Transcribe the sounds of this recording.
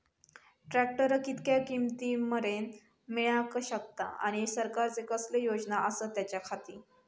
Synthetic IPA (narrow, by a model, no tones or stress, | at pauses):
ʈɾæk̚ʈəɾəkit̪kjakimt̪iːməɾen | miɭakəɕək̚t̪a̰a̰ɽ̃isəɾkaɾt͡sekəslejod͡ʑnaʔəsət̪ːjat͡ɕjakʰat̪iː